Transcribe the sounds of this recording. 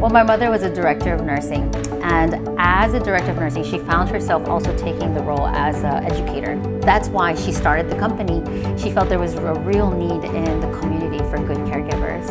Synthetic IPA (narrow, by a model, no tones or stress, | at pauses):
wɛlˠmaɪmʌðə˞wʌzɨdə˞ɛk̚tə˞ʌvnɜ˞sɪ̃ŋ | ʔɨ̃n | ʔəzɨdə˞ɛk̚tə˞ʌvnɜ˞sɪ̃ŋʃifãʊ̃nd̚hə˞sɛlˠfɔ̰lˠsoʊtʰeɪkɪ̃ŋðəɹoʊlˠə̰zɛd͡ʒɨkʰeɪɾə̰˞ | ðætswaɪʃistɑɹɾɨd̪̚ðɨkʰʌ̃mpɨni | ʃifɛlˠt̪̚ðə˞wʌzəɹilˠniɾɪ̃nðɨkʰmjʉnɨɾifə˞ɡʊd̚kʰɛɹɡɪvə̰˞z̥